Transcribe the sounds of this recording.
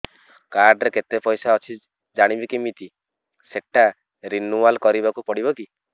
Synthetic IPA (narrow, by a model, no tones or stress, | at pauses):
kaɾɖɾeket̪epɔjsaɔt͡ʃʰi | d͡ʒaɽ̃ibikimit̪i | seʈa | ɾinualkɔɾibakupɔɽiβɔki